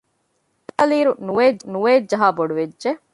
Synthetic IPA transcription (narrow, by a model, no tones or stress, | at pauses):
tːɐliːɾunuʋeːnuʋeːd͡ʒɐɦaːboɖuʋed͡ʒʒe